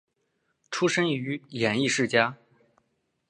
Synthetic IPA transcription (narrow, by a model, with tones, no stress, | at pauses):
ʈ͡ʂʰu˥ʂə˥ny˧˥jɛ˨˩ni˥˧ʂɻ̩˥˩t͡ɕja˥